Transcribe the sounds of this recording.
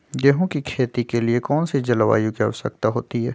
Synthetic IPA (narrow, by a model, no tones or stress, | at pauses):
ɡeːɦõkikʰeːt̪ikeliekɔːnsid͡ʒɐlʋa̰ːjũkiɐ̰ʋsə̰k̚t̪aɦo̰ːt̪iɦɛː